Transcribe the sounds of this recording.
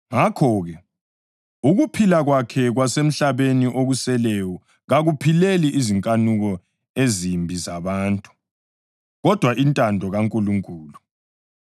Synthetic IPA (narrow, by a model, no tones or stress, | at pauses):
ŋakʰɔɣɛ | uɣupʰilaɣwakʰɛɣwasem̩ɬaβeniʔoɣusɛlɛwɔ | ɣaɣupʰileliʔiziŋkʼanuɣɔ | ezimbʱizaβaːntʼu̥ | ɣɔd̥ʱwaʔintʼandʱɔɣaŋkʼuluŋkʼuːlu